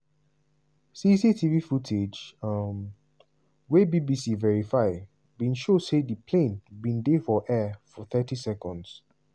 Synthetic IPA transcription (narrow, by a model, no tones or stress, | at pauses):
sisitʰivifutʰed͡ʒm | webibisivɛɹifaɪ | bĩnʃodsedipʰlẽnbĩndefɔʔɛfɔθɛtisɛkɔ̃nds